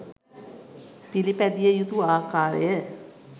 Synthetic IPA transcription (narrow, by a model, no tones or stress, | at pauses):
pilipæd̪ijəjut̪uaːkaːɾə̰jə